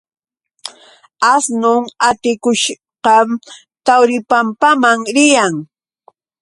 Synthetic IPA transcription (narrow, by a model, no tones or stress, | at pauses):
asnʊŋat̪ɪkʊʃ | qɑm | t̪awɾɪpampamaŋɾɪjaŋ